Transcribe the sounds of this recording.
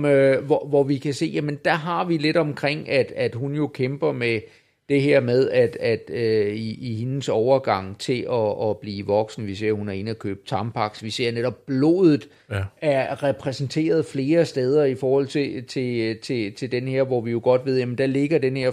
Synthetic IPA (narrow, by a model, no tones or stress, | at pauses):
øʋɒʋɒʋikʰæse̝̰ːjæmənd̥æɦɑ̈ʋile̝dɒ̽mkʰʁeŋ̰æd̥æd̥ɦunjo̝kʰemb̥ɐme | d̥e̝ɦeɐ̰með̞ˠæd̥æd̥øiːhe̝nəsɒʊɐɡ̥ɑ̈ŋ̰t͡sʰe̝lʔɒːb̥liːʋɒ̽ɡ̥sn̩ʋise̝ɐ̰hunæɐe̝nəækʰø̰ːb̥t͡sʰɑ̈mpʰɑ̈ɡ̥sʋise̝ɐ̰neɾ̥ɒ̽b̥̚ːlo̝̰ːð̩ˠ | æɐʁɛpʰʁɛsn̩t͡sʰe̝̰ːɐð̞̩ˠfle̝ːɐsd̥eð̞ˠɐifɒːhɒ̽l̰t͡sʰe̝t͡sʰe̝t͡sʰe̝t͡sʰe̝ld̥enheɐ̰ʋɒʋijo̝ɡ̥ɒ̽d̥ʋe̝ð̞̰ˠjæmənd̥æle̝ɡ̥ɐd̥enheɐ̰